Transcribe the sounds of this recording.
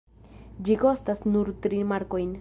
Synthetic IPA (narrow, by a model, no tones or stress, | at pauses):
d͡ʒiko̞stasnuɾtɾimaɾko̞jn